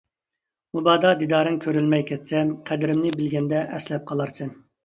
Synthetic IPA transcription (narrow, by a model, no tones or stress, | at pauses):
mubɑːd̪ɑd̪id̪ɑːɾɨnkʲʰøɾylmɛjkʲʰɛt̪sɛmqʰæd̪ɪɾɪmnɪbɪlɡʲɛnd̪ɛʔɛslɛp̚qʰɑlˠɑɾt͡ʃʰɪn